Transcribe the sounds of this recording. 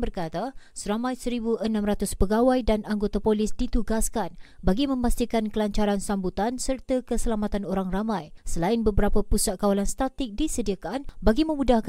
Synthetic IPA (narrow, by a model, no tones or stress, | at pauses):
bərkat̪asəɾamãjsəɾibuʔənãmrat̪ʊspəɡawajdanaŋɡot̪apolɪsdit̪uɡaskanbaɡimə̃mast̪ikankəlaɲt͡ʃaɾansambut̪ansərt̪akəsəlamat̪anoɾaŋramãjsəlaɪnbəbəɾapapusat̪̚kawalanst̪at̪ɪk̚disədiakanbaɡimə̃mudahk